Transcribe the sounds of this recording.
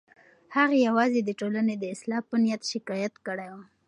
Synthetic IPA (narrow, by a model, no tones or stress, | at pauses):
haɣajawɑzed̪əʈolaned̪əɪslɑpənijat̪ʃɪkɑjat̪kəɽajwo